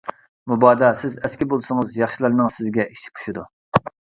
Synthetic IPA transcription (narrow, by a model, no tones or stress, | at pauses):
mubɑːd̪ɑsɪzɛskʲibolˠsɨŋɨzjɑχʃilˠɨɾnɨŋsɪzɡʲɛʔiʃi̥kʰu̥ʃud̪ṵ